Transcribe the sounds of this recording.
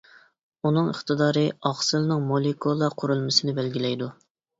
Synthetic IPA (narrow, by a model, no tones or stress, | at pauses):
unɨŋəχt̪ɨd̪ɑːɾɨɑχsɨlnɨŋmolˠikʰolˠɑqʰʊɾulˠmɨsɪnɪbɛlɡʲilɛjd̪u